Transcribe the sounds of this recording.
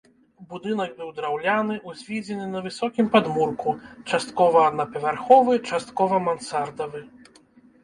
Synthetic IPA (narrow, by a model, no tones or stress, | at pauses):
bud̪ɨnɐɡ̚bɨwd̪ɾawlʲanɨʔuzʲvʲid͡zʲɛnɨnɐvɨsɔkʲimpad̪murkut͡ʂast̪kɔvɐːd̪nɐpɐvʲarxɔvɨt͡ʂast̪kɔvɐmansard̪ɐvɨ